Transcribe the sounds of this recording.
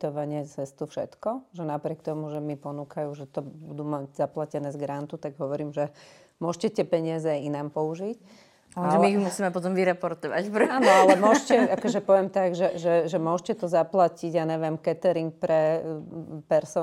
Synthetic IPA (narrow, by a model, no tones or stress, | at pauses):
t̪ɔʋaɲɪɛt͡sɛst̪ufʃɛt̪kɔʒɛnapɾɪɛkt̪ɔmuʒɛmipɔnuːkajuːʒɛt̪ɔbud̪umaɟzaplacɛnɛːzɡɾant̪ut̪aɡɦɔʋɔɾiːmʒɛ | mʊɔʃcɛt̪ɪɛpɛɲɪazɛainaːmpɔuʒic | aʒɛmimusiːmɛpɔt̪ɔmʋiɾɛpɔɾt̪ɔʋa̰cpɾɛaːnɔalɛmʊɔʃcɛakɔʒɛpɔʋɛmt̪aɡʒɛʒɛʒɛmʊɔʃcɛt̪ɔzaplaciɟaɲɛʋjɛmkɛt̪ɛɾiŋk̚pɾɛ | pɛɾsɔ